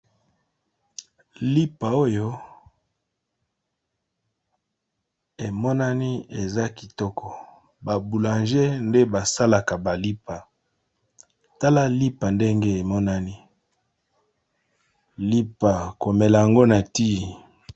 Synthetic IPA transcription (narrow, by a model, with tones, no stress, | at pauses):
li˦pa˨o˦jo˦ | e˨mɔ˦na˦ni˦e˨za˦ki˨tɔ˦kɔ˨ | ba˨bu˨lã˨nʒe˦nde˦ba˨sa˦la˨ka˨ba˨li˦pa˨ | ta˦la˦li˦pa˨nde˦ŋɡe˦e˨mɔ˦na˦ni˦ | li˦pa˨ko˨mɛ˨la˨ja˨ŋɡo˦na˨ti˦˨